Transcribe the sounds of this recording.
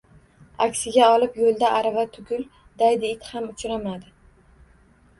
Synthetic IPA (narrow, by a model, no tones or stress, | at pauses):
a̰kʲsɪɡʲaɒlˠɪpjolˠd̪aʔaɾavat̪ʰʊɡʲʊl | d̪̥ajd̪ɪɪt̪hamʊt͡ʃʰɾamad̪ɪ